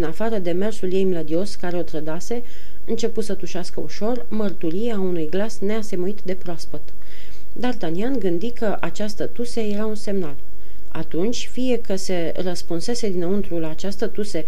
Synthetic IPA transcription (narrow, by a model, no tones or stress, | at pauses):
inafaɾəd̪e̞me̞rsulje̞jmləd̪io̞skaɾeot̪ɾəd̪ase̞ | ɨnt͡ʃe̞put̪sət̪uʃeaskə̰ṵʃo̞rmərt̪uɾijeaunujɡlasne̞ase̞muit̪d̪e̞pɾoaspət̪ | d̪art̪anianɡɨnd̪ikəʔat͡ʃast̪ət̪useje̞ɾaunse̞mnal | a̰t̪unt͡ʃʲfije̞kəse̞ | rəspunse̞se̞d̪inəunt̪ɾulaːt͡ʃast̪ət̪use̞